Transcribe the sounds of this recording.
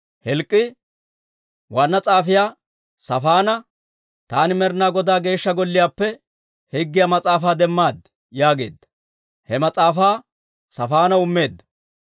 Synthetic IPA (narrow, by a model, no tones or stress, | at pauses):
hɛlkʼːɪ | wanːɐt͡sʼaːfɪjaː | sɐfaːnɐ | t̪aːnɪmɛɾnaːɡɔd̪aːɡe̞ːʃːɐɡɔlːɪjaːpːɛ | hɛɡːɪjaːmɐt͡sʼaːfaːd̪ɛmːaːd̪ | jaːɡe̞̰ːd̪ːɐ | hɛmɐt͡sʼaːfaː | sɐfaːnɐʊmːe̞ːd̪ːɐ̥